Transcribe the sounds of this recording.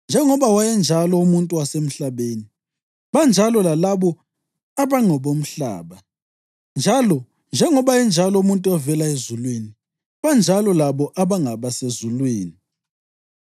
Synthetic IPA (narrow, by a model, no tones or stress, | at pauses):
nd͡ʒʱɛŋɔβawajɛnd͡ʒʱalɔumuntʼuwasem̩ɬaβeːni | βand͡ʒʱalɔlalaβɔ | aβaŋɔβom̩ɬa̰ːβa | nd͡ʒʱalɔ | nd͡ʒʱɛŋɔβajɛnd͡ʒʱalɔumuntʼuɛvɛlaezulweni | βand͡ʒʱalɔlaβɔʔaβaŋaβasezulweːni